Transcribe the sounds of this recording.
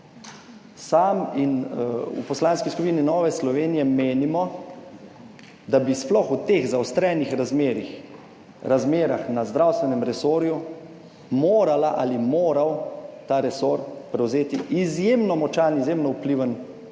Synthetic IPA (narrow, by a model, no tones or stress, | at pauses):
saːminṵpɔslaːnskiskupininɔːʋɛslɔʋeːnijɛmeːnimɔ | d̪abisplɔxut̪eːɣzawst̪ɾɛːnixɾazmeːɾix | ɾazmeːɾaxnazd̪ɾawst̪ʋɛnɛmɾɛsoːɾju | moːɾalaʔalimoːɾawt̪aːɾɛsoːɾpɾɛwzeːt̪iʔizjeːmnɔmɔt͡ʃanizjemnɔupliʋən